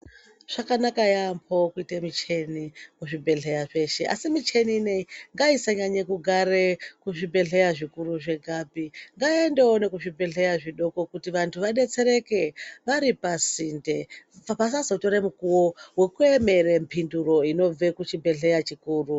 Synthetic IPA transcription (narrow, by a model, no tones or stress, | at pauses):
ʐ̥akanakajampʰokuitemit͡ʃe̞nimuʐibʱe̞ɮe̞jaʐe̞ʃe̞ʔa̰simit͡ʃeniːneŋɡaisaɲaɲekuɡʱaɾekuʐibʱe̞ɮe̞jaʐikuruʐe̞ɡʱabiŋɡaendeone̞kuʐibʱe̞ɮe̞jaʐiɗo̞ko̞kutiʋantʰuʋaɗe̞t͡se̞ɾe̞ke̞ʋaɾipasindeapas̬azotoɾemukuwowe̞kue̞me̞rempʰinduro̞ino̞b͡ve̞kut͡ʃibʱe̞ɮe̞jat͡ʃikuːru